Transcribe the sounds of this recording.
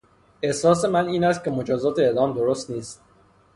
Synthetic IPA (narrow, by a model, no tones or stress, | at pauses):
e̞hsɒːs̬e̞mæniːnæst̪̚cʰe̞mod͡ʒɒːzɒːt̪ʰeed̪ɒːmd̪oɾost̪niːst̪̚